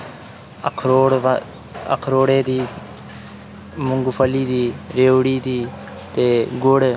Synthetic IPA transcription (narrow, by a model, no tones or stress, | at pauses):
kʰɾoːɽ | ə̰kʰɾoːɽeːd̪iː | mʊŋɡʊpʰəliːd̪iːɾeːʋɽiːd̪iː | t̪eːɡʊɽ